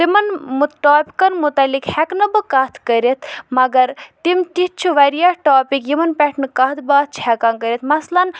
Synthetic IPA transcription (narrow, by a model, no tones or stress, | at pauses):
t̪imɐnmuʈaːpi̥kɐnmut̪ɐlːikhɛknɐbɨkat̪ʰkəɾet̪ʰmɐɡɐɾt̪imt̪it͡ʃʰuʋɐɾijaʈoːpikjimɐnpɛʈʰnɨkɐɦt̪ʰbaːt̪̚t͡ʃʰhɛkankəɾʲet̪ʰmɐslɐn